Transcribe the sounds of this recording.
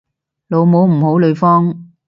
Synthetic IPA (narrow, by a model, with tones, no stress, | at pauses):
lo˨˧wmo˨˥wm̩˨˩ho˨˥wlɵ˨˧ɥfɔː˥ŋ